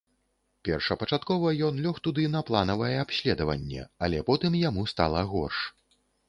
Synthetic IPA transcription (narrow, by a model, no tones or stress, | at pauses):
pʲɛrʂɐpɐt͡ʂat̪kɔvɐjɔnlʲɔxt̪ud̪ɨnɐplˠanɐvɐjɛapɕʲlʲɛd̪ɐvɐ̰nʲːɛ̰alʲɛpɔt̪ɨmjamust̪a̰lˠɐɣɔ̰rʂ